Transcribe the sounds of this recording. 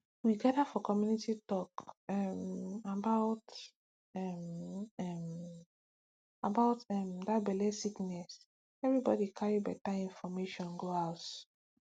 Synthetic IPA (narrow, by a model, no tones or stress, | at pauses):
wiɡadafɔkɔmjunititɔkɛmabaʊt | ɛmɛm | abaʊtɛmdat̚bɛlɛsiknɛs | ɛvɾibɔ̰dikʰaɹibɛtaĩnfɔmeʃɔ̃nɡoaʊt